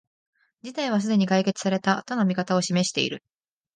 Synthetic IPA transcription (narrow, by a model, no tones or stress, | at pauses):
d͡ʑit̪aiβ̞as̬ɨd̪e̞ɲ̟ikaike̞t͡sɨ̥saɾe̞t̪at̪o̞no̞mʲikat̪ao̞ɕime̞ɕi̥t̪e̞ḭɾɯ̟